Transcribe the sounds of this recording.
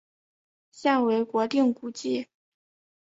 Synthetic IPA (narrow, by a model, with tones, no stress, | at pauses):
ɕja˥˩ŋwe˧˥ɪkwɔ˧˥t̪i˥˩ŋku˥t͡ɕi˥˩